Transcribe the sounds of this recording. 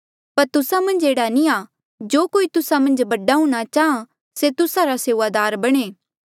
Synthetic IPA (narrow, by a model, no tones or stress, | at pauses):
pɐɾt̪ʊsamɐ̃nd͡ʒeːɽanĩaː | d͡ʒoːkoːit̪ʊsamɐ̃nd͡ʒbɐɖaɦuɽ̃at͡ʃaːã | set̪ʊsaɾaseːʋaːd̪aːɾbɐɽ̃eː